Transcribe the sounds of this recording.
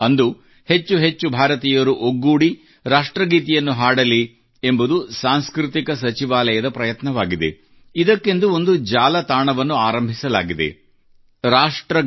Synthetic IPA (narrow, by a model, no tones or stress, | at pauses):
ɐnd̪u | he̞t͡ʃːuɦe̞t͡ʃːubʱaːɾɐt̪iːjɐɾuʔoɡːuːɽi | ɾaːʂʈɾɐɡiːt̪ijɐnːuɦaːɽɐli | embud̪usaːnskɾut̪ikɐs̬ɐt͡ʃiʋaːlɐjɐd̪ɐpɾɐjɐt̪nɐʋaːɡid̪e̞̰ | id̪ɐkːe̞nd̪uo̞nd̪ud͡ʒaːlɐt̪aːɳɐʋɐnːuaːɾɐmbʱisɐlaːɡid̪e̞̰ | ɾaːʂʈɾɐ